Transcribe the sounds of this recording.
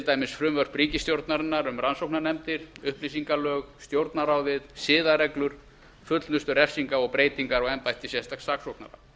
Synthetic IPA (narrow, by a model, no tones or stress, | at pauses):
t̪aːjmɪsfɾʏmvœr̥pɾiːcɪst̪jowɾt̪naɾɪnːaɾʏmransowknanɛmt̪ɪɾ̥ʏhplisiŋkalœːɣst̪jowɾt̪naɾaːwðɪðsɪːðaɾɛklʏɾ̥ | fʏt̪lnʏst̪ʏɾɛfsiŋkaɔɣpɾeːjt̪iŋkaɾɔɣɛmpajt̪ɪsjɛst̪asaːksowkna̰ɾa̰